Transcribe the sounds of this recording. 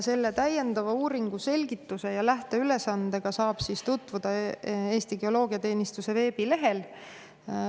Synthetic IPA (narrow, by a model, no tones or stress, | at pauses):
se̞lːe̞t̪æje̞nd̪̥ɑvɑuːɾiŋɡ̥use̞lʲɡ̥it̪ːˑuse̞jɑlæht̪e̞yle̞sɑnd̪e̞ɡ̥ɑsɑːb̥sist̪ut̪ːˑvud̪̥ɑe̞ːst̪iɡ̥eo̞lo̞ːɡiɑt̪e̞ːnist̪use̞ve̞ːb̥ile̞ɦe̞l